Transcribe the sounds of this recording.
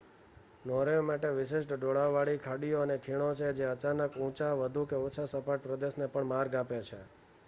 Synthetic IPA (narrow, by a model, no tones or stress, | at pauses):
noɾejmaʈeʋɪʃɪʃʈɖoɭaʋaɭikʰaɽijoənekʰiɽ̃ot͡ʃʰed͡ʒeət͡ʃanəkũt͡ʃaʋəd̪ʱukeot͡ʃʰasəpaʈ̚pɾəd̪eʃnepəɳmaɾɡapjat͡ʃʰe